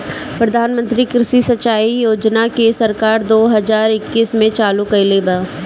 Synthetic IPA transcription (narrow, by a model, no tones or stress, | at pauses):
pɾɐd̪ʱaːnmə̃nt̪ɾikɾɪʃisɐt͡ʃːaːijoːd͡ʒnakesɐɾkaːɾd̪oːɦɐzaːɾɪkːiːsmẽt͡ʃaːlukɐɪlebaː